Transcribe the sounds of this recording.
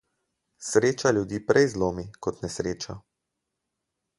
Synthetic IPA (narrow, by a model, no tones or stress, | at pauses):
sɾeːt͡ʃalʲjud̪iːpɾɛjzloːmikɔt̪nɛsɾeːt͡ʃa